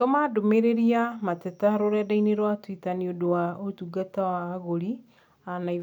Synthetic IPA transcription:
omadomeɾeɾiamatetaɾoɾɛdaineɾwatwitaniodowaotuɡatawaɣoɾi | anai

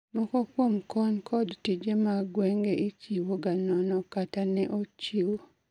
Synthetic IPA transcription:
mɔkɔkwomkʰɔnkʰɔdtid͡ʒemaɡwɛŋɡeʔit͡ʃiwoɡanɔnɔkatanɛʔot͡ʃiwo

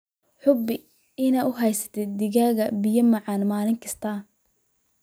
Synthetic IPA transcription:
ħʊbɪ | ɪnaːʊɦɛjsɐ̥t̪ʰɛd̪ɪɣaːɣɐbɪjɐmɐʕɑːnmaːlɪŋkʰɐst̪ʰaː

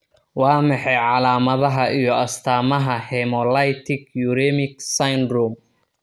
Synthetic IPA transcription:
wɑːmɑħɛjʕɑlaːmɐðɐɦɐijɔɐst̪ʰaːmɐɦɐhɛmɔlɐjt̪ʰɪɡjuɾɛːmɪksajnd̪ɾum

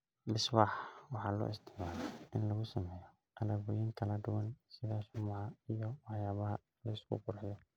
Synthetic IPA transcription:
lɪsbaːħwɑħɑːlɔ̰ːɪsd̪ɪʕmaːlɛʔɪnlɐɣʊsɐmɛːjɔ | ʔɐlaːβɔjɪːŋk̪ʰɐlɐd̪ʊwɑnsɪðaːsʊmaʕɑijɔwɑħjaːβɐɦɐ̰ | lɐɪskʰʊ̰qʊrħɪjɔ

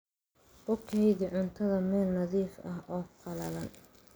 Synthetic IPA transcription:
ʔʊkʰɛjðiʕʊnt̪ʰɐðɐmɛːlnɐðiːfɐɦʔɔːqɑlɐlɐn

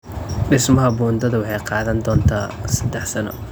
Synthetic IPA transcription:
ɖɪsmɐɦɐbuːnd̪ɐðɐwɑħɑjqɑːðɐnd̪ɔːnt̪ʰaːsɐd̪ɛħsɐnɔ̰

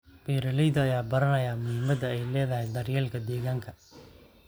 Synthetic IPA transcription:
bɛːɾɐlɛjðɐɐjaːbɐɾɐnɐjaːmʊhɪmɐd̪ɐɛjlɛːðɐɦɛjd̪ɐrjɛːlkʰɐd̪ɛːɣaːŋkʰɐ

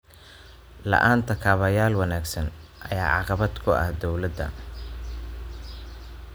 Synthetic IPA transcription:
lɑ̰ʔaːnt̪ʰɐkʰɐːβɐjaːlwɑnaːɡsɐnʔɐjaːʕɑqɑβɐd̪kʰʊɐ̰hd̪ɔwlɐd̪ɐ̰

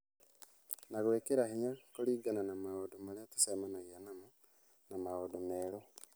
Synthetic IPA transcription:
naɣoekeɾahiɲakoliːɡananamaodomaɾeatḁsemanaɣianamo | namaodomeɾo

